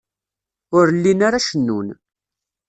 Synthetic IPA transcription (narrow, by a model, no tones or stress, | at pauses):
ʊɾlːinaɾaʃənːṵn